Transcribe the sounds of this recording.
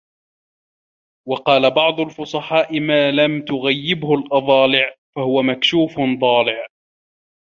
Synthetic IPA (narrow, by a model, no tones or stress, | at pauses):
wɑqɑːlabɑʕd̪ˤʊlfʊsˤɑħɑːʔɪmaːlamt̪ʊɣajːɪbhʊlʔɑðˤɑːlɪʕfahʊwamakʃuːfnd̪ˤɑːlɪʕ